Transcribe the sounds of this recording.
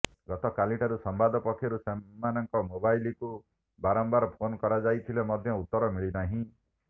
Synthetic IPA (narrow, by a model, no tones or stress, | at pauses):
ɡɔt̪ɔkaliʈaɾusɔmbad̪ɔpɔkʰːjɔɾusemːanɔŋkɔmobajliku | baɾɔmbaɾɔpʰonɔkɔɾad͡ʒajt̪ʰilemɔd̪ʱjɔut̪ːɔɾɔmiɭinaɦĩ